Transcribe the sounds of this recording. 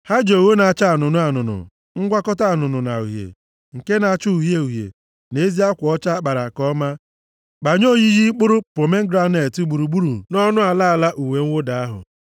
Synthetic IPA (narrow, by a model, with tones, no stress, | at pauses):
ha˦d͡ʒo˨o˨wo˦na˨a˨t͡ʃa˦a˨nʊ˨nʊ˦a˨nʊ˨nʊ̰˨ | ŋ̩˦ɡʷa˦kɔ˦ta˦a˨nʊ˨nʊ˨na̰˨u˨ɦjḛ˨ | ŋ̩˨ke˦na˨a˦˨t͡ʃu˦u˨ɦe˦u˨ɦjḛ˨ | ne˦zi˦a˦kʷɔ˦t͡ʃa˦k͡pa˨ɾa˨kɔ˦ma˦ | ɡ͡ba˨ɲo˦˨ɲi˦ɣi˦k͡pʊ˦ɾʊ˦pɾo˨me˦ŋ̩˦ɡɾa˦ne˨ti˨˦ɡ͡bu˨ɾu˨ɡ͡bu˦ɾu˨nɔ˦nʊ˦a˨la˦a˨la˦ʔu˨we˨ŋ̩˦wʊ˦da˨a˦ɦʊ̰˨